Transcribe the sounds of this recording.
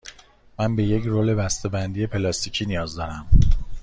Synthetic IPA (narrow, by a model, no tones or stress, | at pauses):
mænbe̞je̞cɾoːle̞bæst̪e̞bænd̪ije̞pʰe̞lɒːst̪ʰicʰiːnijɒːzd̪ɒːɾæm